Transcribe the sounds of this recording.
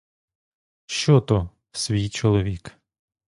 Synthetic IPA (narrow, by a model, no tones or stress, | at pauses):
ʃt͡ʃɔt̪ɔ | sʲʋʲijt͡ʃɔlˠɔʋʲik